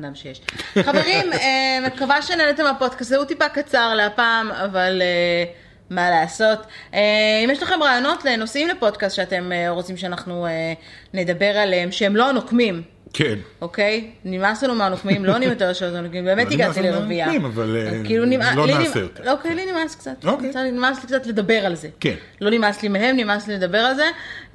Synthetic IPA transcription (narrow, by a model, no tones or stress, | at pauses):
damʃejeʃχaveʁimemekavaʃenenet̪emapo̞d̪kast̪zeutipakat͡saʁleapaːmavale | malaːso̞teimjeʃlaχe̞mʁaːjo̞no̞tleno̞simlepo̞d̚kastʃeate̞meʁo̞t͡simʃeanaχnuene̞d̪abe̞ʁaleemʃeemlo̞nokmim | kʰenokejnimaslanumaanokmimloanimjot̪eʁʃeotoanokmimbe̞ːmet̪iɡat̪ileʁeviaimavalkiiːlunimalolinijoteokejlinimaskt͡sat̪okainimaslikt͡satle̞d̪abe̞ʁalze̞ken | lo̞nimaslimeɦe̞mnimasliled̪abe̞ʁalze̞